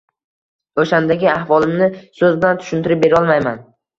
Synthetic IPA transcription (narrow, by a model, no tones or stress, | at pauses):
oʃand̪aɡʲɪahvɒlˠɪmnɪsɵzblant̪ʰʊ̥ʃʊnt̪ɪɾɪp̚beɾɒlˠmajman